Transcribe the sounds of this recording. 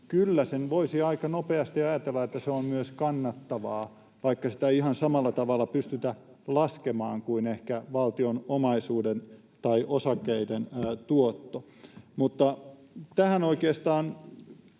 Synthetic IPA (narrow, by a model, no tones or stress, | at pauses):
kylːæsenʋoisiɑikɑnopeɑst̪iɑjɑt̪elːɑet̪ːæseommyøskɑnːɑt̪ːɑʋɑː | ʋɑikːɑsi̥t̪æihɑnsɑmɑlːɑt̪ɑʋɑlːɑpyst̪yt̪æ | lɑskemɑːŋkuinehkæʋɑlt̪ionomɑisuːden | t̪ɑiʔosɑkːeident̪uot̪ːo | mut̪ːɑ | t̪æhænoikeːst̪ɑːn